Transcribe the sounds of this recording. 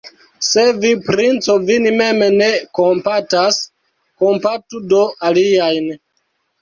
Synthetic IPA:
se̞vipɾint͡so̞vinime̞mene̞ko̞mpatas | kompatudo̞ʔaliajn

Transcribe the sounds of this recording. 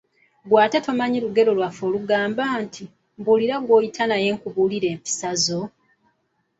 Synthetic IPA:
ɡwaːte̞tomaɲiluɡe̞ɾo̞lwafo̞ːluɡaːmbaːntʰi | mbuliɾaɡwo̞ːjitʰanaje̞ːŋkuβuːliɾe̞ːmpi̥sazo̞

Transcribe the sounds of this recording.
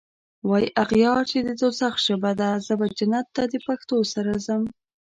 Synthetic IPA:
wɑjʔaɣjɑɾt͡ʃed̪əd̪osaxʃəbad̪azəbad͡ʒanat̪ːad̪əpaxt̪osaɾazəm

